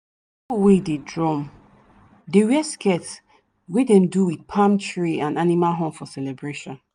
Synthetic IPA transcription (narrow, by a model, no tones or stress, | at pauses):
pwededɹɔ̃m | dewɛskɛts | wedɛ̃mduwid̚pʰãmtʰɹiãnanimalɦɔ̃mfɔsɛlɛbɹeʃɔ̃n